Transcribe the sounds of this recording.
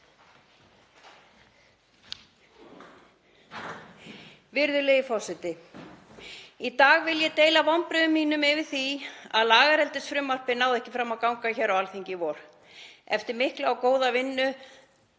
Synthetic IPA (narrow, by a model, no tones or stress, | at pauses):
vɪɾðʏleːjɪfɔsɛt̪ɪ | it̪aːɣvɪljɛt̪eːjlavɔmpɾʏðʏmːiːnʏmɪvɪɾ̥θia̰ðlaːɣaɾɛlt̪ɪsfɾʏmːar̥pɪnaːwðɛhcɪfɾamːawkawŋkaçɛɾawalθiɲcɪvɔɾ̥ | ɛft̪ɪɾmɪhklawkoːwðavɪnːʏ